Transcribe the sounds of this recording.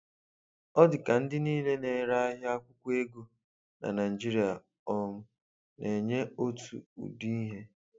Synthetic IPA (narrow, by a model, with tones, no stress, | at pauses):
ɔ˦dɪ˨ka˨n̩˦dɪ˦niː˦le˦ne˨ɾa˦a˦ɦɪ˦a˦kʷʊ˦kʷe˦ɡu˨ | na̰˨na˨i˨d͡ʒi˦ɾi˨˦a˨ | ɔ˦m̩˦ | nʔe˨ɲe˦o˦tṵ˨ṵ˨di˦i˦ɦe˦